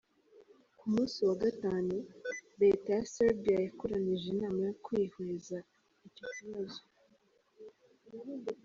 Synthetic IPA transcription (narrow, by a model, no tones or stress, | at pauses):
kumuːsiwaɡataːnuβetajaseɾbijajakoɾaniʒenaːmajokwiːhweza | icociβazo